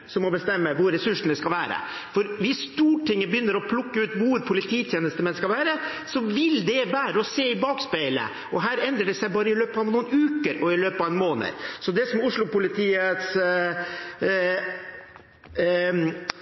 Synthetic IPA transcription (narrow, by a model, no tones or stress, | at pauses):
sɔmɔbəst̪ɛmːəʋʊɾːɛsʉʂɳ̩d̪ɛskɑlʋæːɾə̰ | fɔɾʋɪsst̪uːʈʰɪŋːəbjʏnːəɾɔpʰlʊkːəʉːt̪ʋʊɾpʰʊlɪt̪ʰiːt̪ʰjeːnəst̪əmɛnskɑlʋæːɾə | sɔʋɪld̪ɛʋæːɾəɔseːɪbɑːkspæɪlə̰ | ʔɔɦæːɾɛnd̪ɾəɖɛsæɪbɑːɾəɪløːpɑʋnuːnʉːkəɾɔɪløːpɑʋɛnmoːnə̰ɾsɔd̪ɛsɔmʊʂɭʊpʊlɪt̪ʰiːət̪s